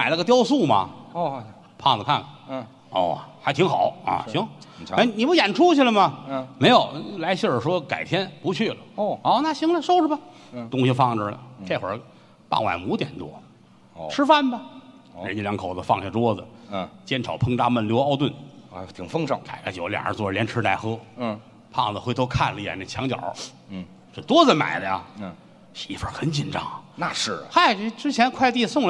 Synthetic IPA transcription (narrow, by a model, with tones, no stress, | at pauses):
ma˨˩ɪna˥˩ɡə˧t̪jɑ˥ʊsu˥˩mɐ̰˨ | pʰɑ̰˥˩ŋd͡zə˨kʰa˥˩n˨ | ɔ̰˧˩xa˧˥ɪt̪ʰi˧˥ŋxɑ˨˩˦ʊɐ̰˧˩ɕi˧˥ŋa˥˩ɪni˨˩pu˧˥˩jɛ˨˩nʈ͡ʂʰu˥t͡ɕʰi˨lə˩mɐ˨me˧˥ɪjo˨˩˦ʊla˧˥ɪɕi˥˩˨ʂwɔ˥ka̰˨˩ɪt̪ʰjɛ˥npu˧˥t͡ɕʰy˥˩lə˩ɔ˥˩na˥˩ɕi˧˥ŋlə˧ʂo˥ʊʂə˧bɐ˧t̪ʊ˥ŋɕi˧fɑ˥˩ŋʈ͡ʂə˨˩lə̰˩ʈ͡ʂe˥˩xwə˞˧˥ | pɑ̰˥˩ŋwa̰˨˩nmu˧˥t̪jɛ˨˩nt̪wɔ̰˥ | ʈ͡ʂʰɻ̩˥fa˥˧nbɐ˨ | ɻə˧˥ni˧˩ljɑ˧˥ŋkʰo˨˩ʊdə˧fɑ˥˧ŋɕja˥˩t̪wɔ˥d͡zə˩˧˩t͡ɕjɛ˥nʈ͡ʂʰɑ˨˩ʊpʰɤ˥ŋʈ͡ʂ̪a˥mə˥˩nljɑ˥˧ʊt̪wə˥˩n˧˥t̪ʰi˧˥˩ŋfɤ˥ŋʂɑ˥˩ŋkʰa˨˧˩ɪkʰa˧˥˩t͡ɕjo˧˩ʊljɑ̰˨˩ŋʔə̰˧˥t͡swɔ˧˩˧ljɛ˧˥nʈ͡ʂʰɻ̩˧˥t̪a˧˩ɪxɤ˥˧ | pʰɑ̰˥˩ŋd͡zə˩xwe˧˥t̪ʰo˧˥ʊkʰa˥˩nlə˨i˧jɛ̰˨˩nə˥˩t͡ɕʰjɑ˧˥ŋt͡ɕjɑ̰˨˩˦ | s̩˧˥˩t̪wɔ˥t͡sə˧˩ma̰˨˩ɪd̪ə˦ja̰˧ | ʂi˧˩i˧˥˩fə˧˥xə˧˥nt͡ɕi˨˩nʈ͡ʂɑ˥˩ŋna˧ʂɻ̩˥˩xa˥˩ɪ˧ʈ͡ʂɻ̩˥t͡ɕʰjɛ˧˥nkʰwa˥˧ɪt̪i˥˧sʊ˥˧ŋlə˧